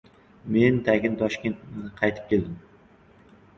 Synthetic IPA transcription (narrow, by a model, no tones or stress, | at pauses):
mend̪aɡʲɪnt̪ʰɒʃkʲent̪̚ɪqʰɑjt̪ʰɪp̚kʲʰe̞ld̪ɪm